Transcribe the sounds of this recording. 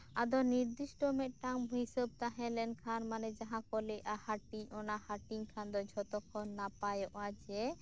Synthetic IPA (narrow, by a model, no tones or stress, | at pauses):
ad̪ɔniɾd̪isʈɔmɛt̪̚ˀʈamɦisəb̚t̪aɦɛ̃lɛnkʰanmanɛd͡ʒaɦãkɔlɛjʔahaʈiɲɔnahaʈiŋkʰand̪ɔd͡ʒʱɔt̪ɔkʰɔnːapajɔʔad͡ʒɛ